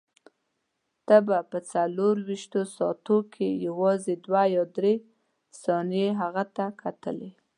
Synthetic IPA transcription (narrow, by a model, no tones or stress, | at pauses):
t̪əbapət͡saloɾwiʃt̪osɑt̪okʰejawɑzed̪wajɑd̪ɾe | sɑnjeɦaɣat̪akʰat̪ə̰le